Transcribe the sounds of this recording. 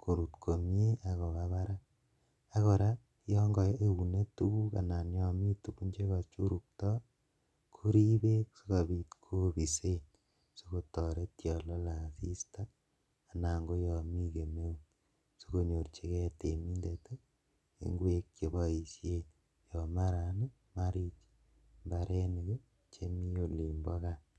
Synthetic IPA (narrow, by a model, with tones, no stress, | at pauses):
ko˨ɾu˨tkʰo˨mje˦a˨kɔ˨ka˦βa˦ɾa˦ | a˦kɔ˨ɾa˦ | jɔ˦ŋɡɔ˨je˦u˨ne˦tu˦ku˦ka̰˨na˨njɔ˨mi˦tu˨ku˦ɲd͡ʒe˦ka˨t͡ʃu˦ɾu˨k̚tɔ˦ | kʰu˦ɾi˦be˦kso˦ka˨bi˨tkʰo˦bi˨se˦n | so˦ko˦tɔ˨ɾe˦tjɔ˨lɔ˦la˨si˦sta˦ | a˨na˨ŋɡo˦jɔ˨mi˦ke˨me˦ | so̥ko˦ɲo˨rt͡ʃe˦kɛ˦te˨mi˦nde˨te˦ | ḛ˦ŋɡwe˦k̚t͡ʃe˨bɔ˦i˨sje˦n | jɔ˨ma˦ɾa˨ni | ma˦ɾi˦t͡ʃ | mba˨ɾʔe˦ne˨ke˦ | t͡ʃe˦mi˦o˨li˨mbɔ˦ka˨